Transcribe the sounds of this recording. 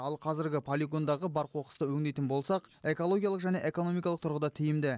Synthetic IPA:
ɑlˠqʰɑzɪɾɡʲɪpʰolʲiɡo̞nd̪ɑʁəbɑɾqʰwo̞qə̥st̪əwɵŋd̪ejt̪ɪnbo̞lˠsɑqe̞ko̞lˠo̞ɡʲijalˠəqʒæne̞ʔe̞ko̞no̞mijkɑlˠəq̚t̪ʰʊɾʁəd̪ɑt̪ʰɪijɪmd̪ɪ

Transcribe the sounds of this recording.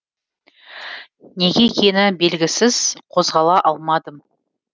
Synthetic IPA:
ne̞ɡʲe̞kʲʰe̞nɪbe̞lɡʲɪsɪz̥qʰo̞zʁɑlˠɑʔɑlˠmɑd̪əm

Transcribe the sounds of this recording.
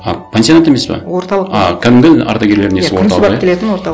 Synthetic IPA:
ɑ̰pʰʲensʲijonnt̪emespḛwoɾt̪ɑlˠəɑkʲʰæd̪ɪmɡ̪ʲɪɑ̰ɾt̪ɑɡʲe̞ɾle̞ɾɪnesɪwont̪ɑlˠʲelet̪ɪnwoɾt̪ɑ

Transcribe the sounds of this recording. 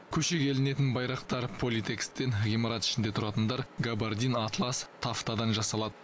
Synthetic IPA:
kʲʰɵʃe̞kʲʰe̞lɪne̞t̪ɪnbɑjɾɑqt̪ɑɾpʰo̞lʲit̪ʰe̞kst̪ːe̞nʁʲimɑɾɑt̪ɪ̥ʃɪnd̪e̞t̪ʰʊɾɑt̪ənd̪ɑɾɡabaɾd̪inat̪lˠɑst̪ʰːaft̪ɑd̪ɑnʒɑsɑlˠɑd̪ə

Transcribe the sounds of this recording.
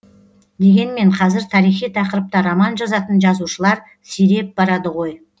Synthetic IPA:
d̪e̞ɡʲe̞nme̞ɴqʰɑzɪɾt̪ʰɑɾijχijt̪ʰɑqəɾəp̚t̪əɾomɑnʒɑzɑt̪ənʒɑzuʃəlˠɑɾ | siɾe̞p̚bɑɾɑd̪əʁo̞j

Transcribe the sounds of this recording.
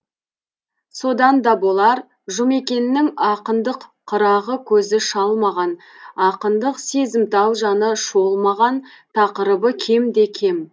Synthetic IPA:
so̞d̪ɑnd̪ɑbo̞lˠɑɾ | ʒʊme̞kʲe̞nɪːɪŋɑqənd̪əqʰːəɾɑʁəkʲʰɵzɪʃɑlˠmɑʁɑn | ɑqənd̪əqse̞zɪmt̪ɑwʒɑnəʃo̞lˠmɑʁɑn | t̪ʰɑqəɾəbəkʲʰe̞md̪e̞kʲʰe̞m

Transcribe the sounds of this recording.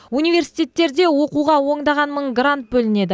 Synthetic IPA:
unijve̞ɾsi̥jt̪ʲe̞t̪ːe̞ɾd̪e̞wo̞quʁɑwo̞ɴd̪ɑʁɑnməɴɡrant̪̚bɵlɪne̞d̪ɪ

